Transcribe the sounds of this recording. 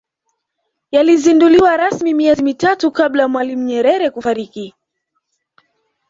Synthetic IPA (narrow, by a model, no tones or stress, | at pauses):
jalizinduliwaɾasmimiɛzimitatukablajamwalim̩ɲɛɾɛɾɛkufaɾiki